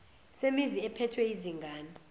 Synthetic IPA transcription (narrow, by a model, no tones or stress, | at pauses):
semiziɛpʰɛtʰwɛiziŋɡʱaːni